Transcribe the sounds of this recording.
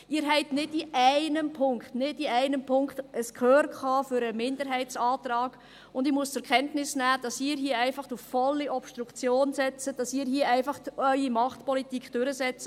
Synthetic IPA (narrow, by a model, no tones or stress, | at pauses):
ɪːɾɦɛɪtnɪdiʔæɪnəmpʰʊŋkχtnɪdiæɪnəmpʰʊŋkχtəskʰχøːɾkχɑːfʏɾəmɪndəɾɦɛɪt͡sɑːtɾɑːɡ̥ | ʊndɪmuəst͡sɛɾkʰɛntnɪsnæːd̥ɑsɪːəɾɦiəæɪfɑχtufːɔlːiʔɔpʃtɾukt͡sjoːnsɛt͡səd̥ɑsɪːɾɦiəæɪfɑχœʏimɑχtpɔlitikʰd̥ʉɾəsɛt͡sə̥